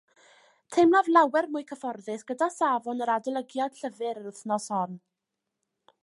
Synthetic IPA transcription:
tʰejmnavlˠawɛrmʊɨkʰəfɔrðɪsɡ̥ədasaːvɔnəɾadɛlˠəɡjad̥ɬəvɨɾəɾʊθnɔsɔn

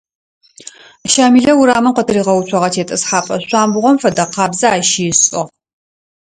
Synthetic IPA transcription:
ʃaːmiːɮɐwʊɾaːmɐqʷɔtʰɨɾiːʁɐwut͡ʃʷʰɐʁɐtʰeːtʼɐsħaːpʼɐɕʷaːmbʊʁʷɔmfɐdɐqɑːbzɐaːʃiɪɕʼɪʁ

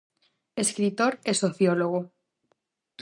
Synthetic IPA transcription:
eskɾit̪oɾesoθjoloɣ̞o

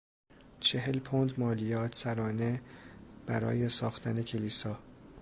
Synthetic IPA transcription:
t͡ʃʰe̞ɦe̞lpʰond̪mɒːlijɒːt̪ʰsæɾɒːneb̥æɾɒ̰ːje̞sɒːxt̪ʰæne̞cʰe̞liːsɒː

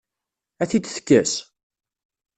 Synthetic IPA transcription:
æθid̪θə̥kːæs

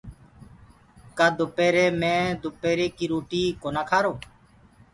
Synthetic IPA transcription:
kaːd̪ʊpeːɾeːmẽːd̪ʊpeːɾeːkiːɾuːʈiːkoːnaːkʰaːɾoː

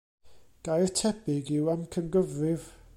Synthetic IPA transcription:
ɡ̥ajrtʰɛpɪɡɪwamkʰənɡəvrɪv

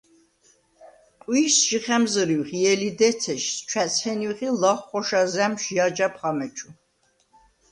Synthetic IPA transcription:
qʼwisʒiχɛmzɾiwχijɛlid̪ɛt̪sʰɛʃst͡ʃʰwæsʰhɛniχilaχχɔʃazɛmʃjad͡ʒapʰχamɛt͡ʃʰu

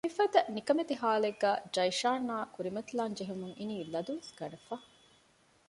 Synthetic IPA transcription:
mifɐd̪ɐnikɐmet̪iɦaːleɡːæːd͡ʒɐiʃaːnːaːkuɾimɐt̪ilaːnd͡ʒeɦumuŋiniːlɐd̪uʋesɡ̥ɐnɐfɐ

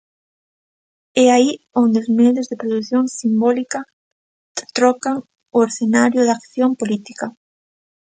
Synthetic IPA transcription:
ɛai | ond̪eozmeðozðepɾoðuθjoŋsimbɔlika | t̪ɾɔkaŋ | ʊeɾθenaɾjʊðakθjompolit̪ika

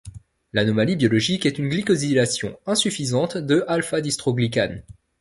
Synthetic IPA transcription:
lanɔmalibjɔlɔʒikɛt̪ynɡlikɔzilasjɔ̰̃ɛ̃syfizɑ̃t̪d̪əʔalfad̪ist̪χoɡlik̬an

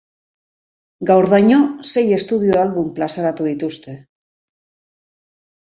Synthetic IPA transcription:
ɡawɾðajɲose̞je̞st̪uð̞ioalβumplasaɾat̪uðit̪ust̪e̞

